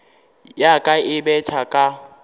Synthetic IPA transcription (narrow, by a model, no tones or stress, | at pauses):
jakʼaɪbɛtʰakʼa